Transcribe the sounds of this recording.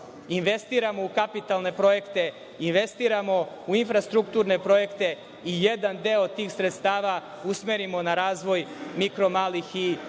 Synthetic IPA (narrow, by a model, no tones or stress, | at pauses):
inʋe̞st̪iːɾamo̞ukapit̪alne̞pɾo̞je̞kt̪e̞ | inʋe̞st̪iːɾamo̞ | uinfɾast̪ɾukt̪uːɾne̞pɾo̞je̞kt̪e̞ | ije̞d̪and̪eot̪iːxsɾet̪st̪aːʋa | usme̞ɾimo̞naɾaːzʋo̞jmikɾo̞maːlixi